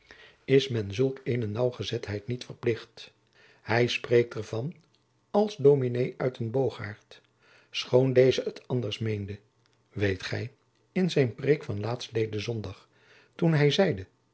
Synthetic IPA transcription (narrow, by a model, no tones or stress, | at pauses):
ɪsmɛnzɵlˠkejnənɑwχəzɛtɦɛjtnitfəɹplɪχt | hɛjsprejk̚tɛɹv̥ɑn | ɑlˠzdowminejʔœɥtənbowχa̰ːɹt | sχowndejzəətʰɑndəɹsmejndə | ʋejtχɛj | ɪnzɛjnprekfɑnlaːtstlejdəzɔndɑχ | tunɦɛjzɛjdə